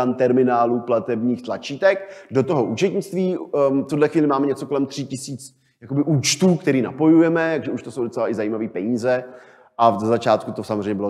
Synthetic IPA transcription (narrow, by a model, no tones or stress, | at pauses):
ant̪ɛɾmɪnaːluplat̪ɛbɲiːxt̪lat͡ʃiːt̪ɛkdo̞t̪o̞ɦo̞ʔuːt͡ʃɛt̪ɲɪt͡st̪viːft̪udlɛxviːlɪmaːmɛɲɛt͡so̞kolɛmt̪r̝̥ɪcɪsiːt͡s | jako̞bɪʔuːt͡ʃt̪uːkt̪ɛɾiːna̰po̞jujɛmɛt̪aɡʒɛuʃt̪oso̞wdot͡sɛlaʔɪzajiːmaviːpɛɲiːzɛ | ʔazazat͡ʃaːt̪kut̪osamozrɛjɲɛbɪlo